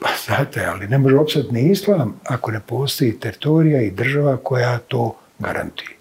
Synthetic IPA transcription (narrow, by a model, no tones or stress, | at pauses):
pasat̪ea̰line̞mo̞ʒeo̞pst̪at̪niislˠaːmako̞ne̞po̞ːst̪o̞jit̪eɾit̪o̞ːɾijaid̪r̩ʒaʋako̞jaːt̪o̞ː | ɡa̰ɾa̰nt̪uje